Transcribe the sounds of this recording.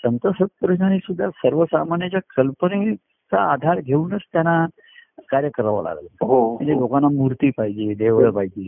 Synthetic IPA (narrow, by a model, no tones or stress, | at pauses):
sənt̪əsət̪̚pɾəd͡ʑnanisud̪ʱːasəɾʋəsamanjat͡ɕjakəlpəne | t͡sa̰ːd̪ʱaɾɡʱeuːnət͡st̪jana | kaɾjəkəɾaʋa̰la̰ɡləɦoməɳd͡zelokanːamuɾt̪iːpaɦid͡ʑed̪eʋɭəpaɦid͡ʑeː